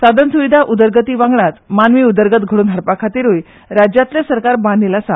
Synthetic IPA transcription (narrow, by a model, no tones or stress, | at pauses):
sad̪ʱənsuʋid̪ʱaʔud̪əɾɡət̪iːʋãŋɡɭat̪manʋiːud̪əɾɡət̪ɡʱəɽuːnəɽpakʰat̪iːɾuj | ɾad͡ʑjat̪lesəɾkaɾbanilasa